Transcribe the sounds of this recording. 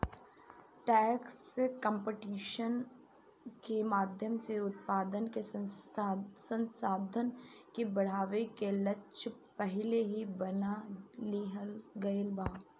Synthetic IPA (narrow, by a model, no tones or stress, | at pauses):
ʈɛːkskə̃mpɪʈiːʃən | kemaːd̪ʱjəmseʊt̪̚paːd̪ənke | sə̃nsaːd̪ʱənkibɐɽ̤aːʋekelɐtːt͡ʃpɛɦɪleɦibɐnaliɦəlɡɐelbaː